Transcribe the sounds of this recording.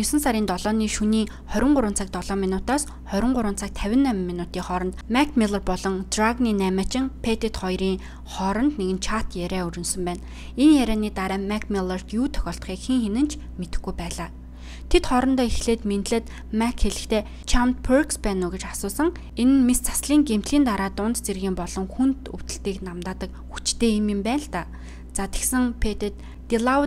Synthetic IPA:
jʊsɘ̆nsaɾiːnt̪ɔɮɔːniːʃuniː | χœɾʲɪ̆ɴɢʊɾʊːn̥t͡sʰăːk̚t̪ɔɮɔːminʊːt̪aːs | χœɾʲɪ̆ɴɢʊɾʊːnt͡sʰaːk̚t̪ʰæwʲɪ̆nːæmmːinʊːt̪iːŋχɔɾɞ̆nt̪mækʰmiɮərpɔɮɞ̆ŋt̪rakniːnæːmăːt͡ɕɪ̆ŋpʰet̪et̪χɔjriːŋ | χɔɾɞ̆nt̪neɣɘ̆nt͡ɕʰat̪jæɾʲæːɵɾɵ̆nsɵ̆mpæːn | enjæɾæːniːt̪aɾæːmækʰmilɔr̥t̪juːt̪ʰœ̥xʲɔːɬt̪̆χiːkxeŋxenɘ̆nt͡ɕʰ | met̪ɘ̆xɡujpæːɮaː | t̪ʰet̪χɔɾɞ̆nt̪ɔːixɮeːt̪ment̪ɮɘ̆t̪ | mækʰxeɮɘ̆xt̪eː | t͡ɕʰamt̪̚pʰerkspæːnʊːɡet͡ɕasʊːsɞ̆ŋ | enɘ̆nmist͡sʰḁsɮiːŋɡem̥t̪ɮiːnt̪aɾaːt̪ʊnt̪t͡serɣiːmpɔɮɞ̆ŋxunt̪uw̥t̪ɘ̆ɬt̪iːknamt̪aːt̪ə̆k | xut͡ɕt̪eːemimpæːnə̆ɬt̪aː | t͡sat̪ʲĕ̥ksə̆ŋpʰet̪ĕt̪ː | iɮa

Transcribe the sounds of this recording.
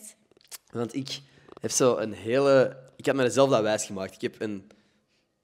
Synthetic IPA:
ʋɑntɪk | ɦɛfsoːʔənɦeːlˠəɪkhɑtmɛdəzɛlˠvdaːʋɛːsxəmaːk̚tɪ̥kɛpʰən

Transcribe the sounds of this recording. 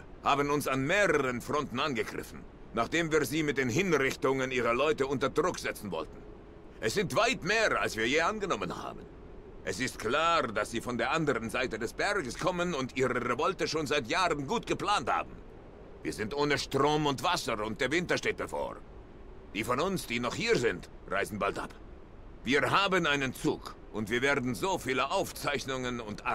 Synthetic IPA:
haːbənʊnsanmeːʁəʁənfʁ̥ɔntn̩anɡəɡʁɪ̰fn̩ | naːχd̥eːmviːɐziːmɪt̚d̥eːnɦɪnʁɪçtʊŋəniːʁɐlɔʏtəʊntɐdʁʊkz̥ɛt͡sn̩vɔ̰ltn̩ | ʔɛsz̥ɪntv̥aɪtmeːʁa̰lsv̥iːɐjeːʔanɡənɔmənha̰ːbən | ʔɛsɪst̚kl̥aːʁdasz̥iːfɔndeːɐʔandəʁənzaɪtədɛsb̥ɛɐɡəskʰɔmənʊntʔiːʁəʁevɔltəʃoːnzaɪtjaːʁənɡuːtɡ̥əpl̥aːntha̰ːbm̩ | viːɐzɪntʔoːnəʃtʁ̥oːmʊntv̥asɐʊnt̚d̥eːɐvɪntɐʃteːt̚b̥əfo̰ː | d̥iːfɔnʊnsd̥iːnɔχhiːɐzɪnt | ʁa̰ɪzn̩baltʔa̰p | viːɐɦaːbənaɪnənt͡sṵːk | ʔʊntv̥iːɐveːɐdn̩zoːfiːləʔaʊft͡saɪçnʊŋənʊntʔa̰

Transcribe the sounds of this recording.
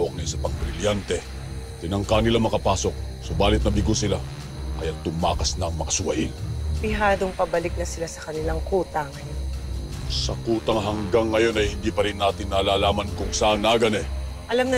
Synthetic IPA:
ʔok̚nɛsɐpɐŋbɾɪljant̪ɛ | t̪ɪnɐŋkanɪlamɐkɐpaːso̞k̚ | sobaːlɪt̪̚nɐbɪɡosɪla | kɐjat̪̚t̪ʊma̰ːkɐsnɐŋmɐkɐsʊwɐʔɪnbɪɦaːd̪oŋpɐbɐlɪk̚lɐsɪlasɐkɐnɪlaŋkuːt̪ɐŋːjn | sɐkuːt̪ɐŋɦɐŋɡaŋːɐjo̞nɐjhɪnd̪iːpɐɾɪnːaːt̪ɪnːaːlaːlaːmɐnkʊŋsaːʔnaːɡɐnɛ | ʔɐlamnɐ

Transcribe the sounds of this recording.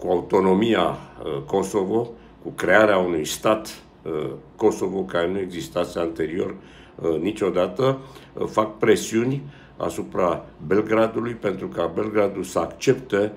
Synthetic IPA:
kuaut̪o̞no̞miako̞so̞vo̞ | kukɾe̞aɾeaunujst̪at̪ | ko̞so̞vo̞kaɾe̞nue̞ɡzist̪at̪sʲeant̪e̞ɾio̞r | nit͡ʃo̞d̪at̪əfak̚pɾe̞siunʲ | a̰supɾabe̞lɡɾad̪ulujpe̞nt̪ɾukabe̞lɡɾad̪ulsəakt͡ʃe̞pt̪e̞

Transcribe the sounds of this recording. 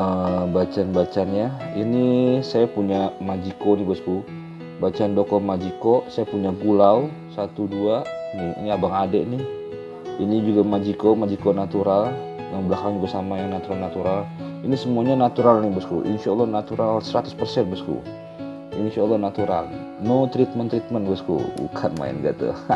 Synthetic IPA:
əbat͡ʃanbat͡ʃanjainisajapuɲamad͡ʒikonɪbəsku | bat͡ʃandokɔmad͡ʒikɔsajapuɲaɡulau | sat̪uduaniḭniabaŋadɛʔnɪh | inid͡ʒuɡamad͡ʒikomad͡ʒikonat̪uɾal | daŋbəlakaŋd͡ʒuɡasamanat̪uɾalnat̪uɾalinisəmuaɲanat̪uɾalnɪbəskṵʔḭnsaɔlːɔhnat̪uɾalsəɾat̪ʊ̥spərsɛnbəskṵ | insaːlːɔhnat̪uɾa̰l | not̪ɾit̪̚mənt̪ɾit̪̚mənbəskṵbṵkʰanma̰ɪ̰nɡa̰t̪ṵ

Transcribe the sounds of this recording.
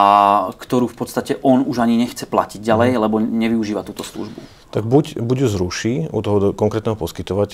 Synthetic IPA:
akt̪ɔɾuːfpɔt̪st̪acɛʔɔnuʒaɲiɲɛxt͡sɛpla̰ciɟɟalɛjlɛbɔɲɛʋiuʒiːʋat̪uːt̪ɔslṵʒbu | t̪aɡbucbuɟjuzɾuʃiːṵt̪ɔɦɔd̪kɔŋkɾɛːt̪nɛɦɔpɔskit̪ɔʋac

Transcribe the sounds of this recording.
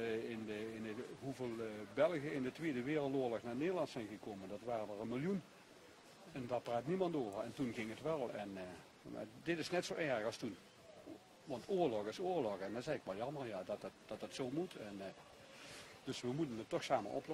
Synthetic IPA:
ɪnəɪnəɦuveːlˠbɛlˠɣjəɪndətʋeːdəʋɪːrlˠtoːɹlɔxnaːneːdəlˠɑntsɛjnɣəkoːməndɑtʋaːrədəɹənmɪlˠjun | ɛndaɹpraːtnimɑntoːvəɹɛntunɣɪŋətʋɛlˠɛn | a̰dɪtɪsnɛtsoːʔɛɹɣɑlˠstun | ʋɑntoːɹlɔxɪsʊːɹlɔxɛndnzɛjɪkʋɛlˠjɑməɹjadɑttd̥ɑtətsoːmutʰɛn | d̥ɵsʋəmutənətːɔxsaːmə̰ɹʔɔ̰pl

